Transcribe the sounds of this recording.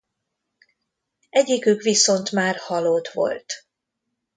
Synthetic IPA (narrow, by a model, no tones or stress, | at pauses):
ɛɟikykʋiso̞nt̪maːrhɒloːt̪ʋo̞̰lt̪